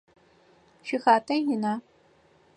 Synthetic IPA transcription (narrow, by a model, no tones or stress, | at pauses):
ʃɪxaːtʰʼɐjɪnaː